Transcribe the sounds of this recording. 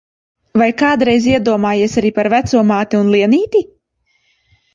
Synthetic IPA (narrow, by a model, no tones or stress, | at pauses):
vajkaːd̪ɾɛjziɛd̪uɔmaːjeɛsaɾiːpaɾvæt̪suɔmaːt̪iunlˠiɛniːt̪ʲi